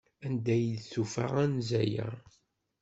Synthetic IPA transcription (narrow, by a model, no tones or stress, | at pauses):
ænd̪æjd̪θufa̰ʁænzæjæ̰